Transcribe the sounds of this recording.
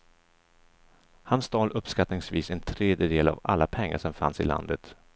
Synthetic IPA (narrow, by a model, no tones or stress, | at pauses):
hansd̪ɑːlɵpskat̪nɪŋsviːsɛnt̪ʰɾeːd̪jəd̪eːla̰va̰lːapʰɛŋːaʂɔmfansɪla̰nd̪ət̪